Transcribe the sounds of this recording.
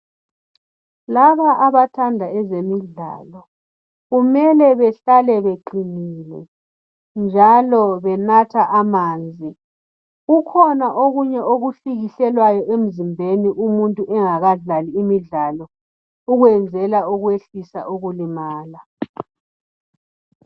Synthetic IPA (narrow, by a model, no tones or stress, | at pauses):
laβaʔaβatʰandʱaɛzemiɮa̰ːlɔ | ɣumɛlɛβɛɬalɛβeǃiniːlɛ̰ | nd͡ʒʱalɔβɛnatʰaʔamaːnd͡zʱi | ɣukʰɔnaʔoɣuɲɛoɣuɬiɣiɬɛlwajɔʔem̩zimbʱeniʔumuntʼuʔɛŋaɣaɮaliːmiɮalɔ | uɣwɛnd͡zʱɛlauɣweɬisa̰ʔuɣulimaːla